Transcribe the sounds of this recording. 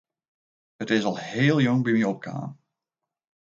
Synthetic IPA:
ətɪsɑlˠheːlˠjɔŋbimiɔp̚ka̰ːn

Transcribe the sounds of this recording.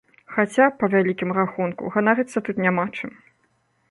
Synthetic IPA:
xat͡sʲapɐvʲalʲikʲimɾaxunkṵɣanaɾɨt̪sːɐt̪ut̪nʲamat͡ʂɨm

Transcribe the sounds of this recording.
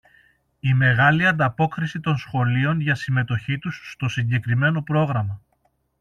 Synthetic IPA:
ime̞ɣɐliɐnd̪ɐpo̞kɾisit̪o̞nsxo̞lio̞nʝɐsime̞t̪o̞çit̪usːt̪o̞siɲɟe̞kɾime̞no̞pɾo̞ɣɾɐmɐ

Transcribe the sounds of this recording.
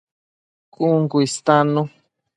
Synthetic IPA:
kuŋkuist̪anu

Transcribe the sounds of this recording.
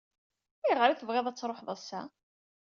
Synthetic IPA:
æjʁəɾiθəvʁeðˤæt͡sːɾˤoħðˤəsːæ

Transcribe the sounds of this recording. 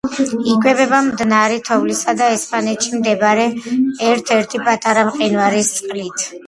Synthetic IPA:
iɡwɛbɛbamd̪naɾɛt̪ʰɔvlisad̪aɛspʼanɛt̪ʃimd̪ɛbaɾɛːɾt̪ʰɛɾt̪ʰipʼat̪ʼaɾamqʼinvaɾist̪sʼqʼlit̪ʰ

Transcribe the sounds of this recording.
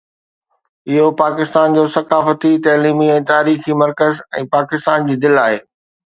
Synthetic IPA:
ɪɦopaːkɪst̪aːnd͡ʑoːsɐkaːfət̪it̪ɐːliːmiɛ̃ːt̪aːɾiːximɐɾkəzɛ̃ːpaːkɪst̪aːnd͡ʑiːd̪ɪlaːɦeː

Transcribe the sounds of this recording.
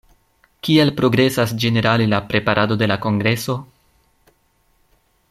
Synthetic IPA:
kielpɾo̞ɡɾe̞sasd͡ʒe̞ne̞ɾalilapɾe̞paɾʔado̞de̞lako̞ŋɡɾe̞so̞

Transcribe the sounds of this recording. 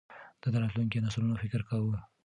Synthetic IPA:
d̪̥ad̪əɾɑt̪luŋkenaslunofɪkɾkawu

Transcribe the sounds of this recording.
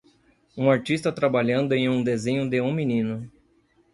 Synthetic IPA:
ũaɾt͡ʃist̪ɐt̪ɾabaʎɐ̃nd̪ʊẽj̃ũd̪ezẽɲʊd̪ɪũminĩnʊ

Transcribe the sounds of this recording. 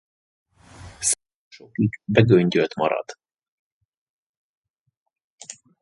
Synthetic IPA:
s | oʃokiɡbɛɡøɲɟølt̪mɒ̰ɾɒ̰d̪̥

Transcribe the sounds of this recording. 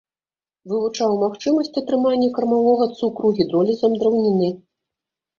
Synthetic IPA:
vɨvut͡ʂawmaxt͡ʂɨmɐsʲt͡sʲɐt̪ɾɨmanʲːɛkɐɾmavɔɣɐt̪sukɾuɣʲid̪ɾɔlʲizɐmd̪ɾawnʲɛnʲːɛ

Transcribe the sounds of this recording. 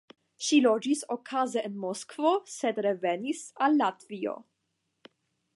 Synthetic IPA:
ʃilo̞d͡ʒisokʰazeʔenmoskvosed̪ɾevenisalːatvio̰

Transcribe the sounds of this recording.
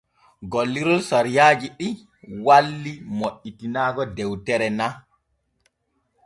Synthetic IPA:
ɡolːiɾɔlsaɾijaːd͡ʒiɗi | walːimoʔitinaːɡɔdɛwtɛɾɛna

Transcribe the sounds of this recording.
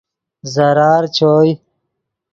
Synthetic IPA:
zɐɾaːɾt͡ɕʰoːj

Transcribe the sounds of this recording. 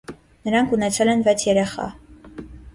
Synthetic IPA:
nəɾɑŋkʰunɛt͡sʰɛlɛnvɛt͡sʰjɛɾɛχɑ̰

